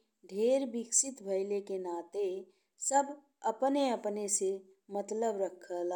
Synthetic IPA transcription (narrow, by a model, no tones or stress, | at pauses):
ɖʱeːɾbɪksɪt̪bʱəɪlekenaːt̪e | səbʱ | ɐpneəpnese | mət̪ləbɾəkʰːəl